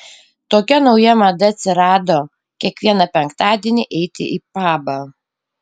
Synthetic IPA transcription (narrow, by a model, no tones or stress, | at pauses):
t̪oːkʲɛnɒʊjɛmɐd̪ɐɐt̪ʲsʲɪɾɑːd̪oː | kʲiɛkʋʲiɛnɐpʲɛŋkt̪ɑːd̪ʲiɛnʲɪʔɛɪt̪ʲɪ̰ʔipɑːbɐ